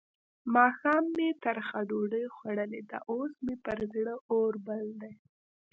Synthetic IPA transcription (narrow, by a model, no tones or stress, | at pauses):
mɑxɑmːet̪aɾxad̪oɖəjxwaɽəled̪a̰ʔosmepəɾzɽəʔoɾbald̪aj